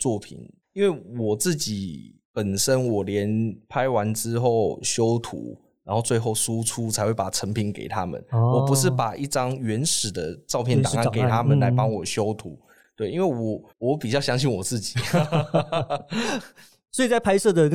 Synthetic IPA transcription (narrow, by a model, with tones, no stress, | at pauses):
t͡swɔ˥˩pʰḭ˨˩˦n | i˥nwe˥˩ɪwɔ˨˩t͡sɹ̩˥˩t͡ɕi˨˩˦ | pə˨˩nʂə˦nwɔ˨˩ljɛ˧˦npʰa˥ɪwa˧˦nʈ͡ʂɻ̩˦˥xo˥˨˩ʊɕjo˥ʊt̪ʰṵ˨˦ | ɻa˧˥nxo˥˧ʊt͡swe˥˧ɪxo˥˩ʊsu˦˥ʈ͡ʂʰu˦t͡sʰa˧˥ɪxwe˥˩ɪpa˨˩ʈ͡ʂʰə˧˥ŋpʰi˧˥nkḛ˨˩ɪt̪ʰa˦mə̰˨nwɔ˨˦pu˧˦ʂ̬ɻ̩˥˩pa˨˩ʔi˥˩ʈ͡ʂɑ˥ŋɥɛ˧˥nʂɻ̩˨˩d̪ə˦ʈ͡ʂɑ˥˧ʊpʰjɛ˥˨nt̪ŋa˥˩˨nke˨˩˧t̪ʰa˥mə˨nla˧˦ɪpɑ˥ŋwɔ˨˩ɕjo˦˥ʊt̪ʰu˨˦ | t̪we˥˩ɪi˦nwe˥˩wɔ˨˩ | wɔ˨˦pi˨˩t͡ɕjɑ˥˧ʊɕjɑ˥ŋɕi˥˩nwɔ˨˩t͡sɹ̩˥˩t͡ɕi̥˨˩ | swɔ˧˥i˨˩t͡sa˥˩ɪpʰa˥ɪsɤ˥˩d̪ə˨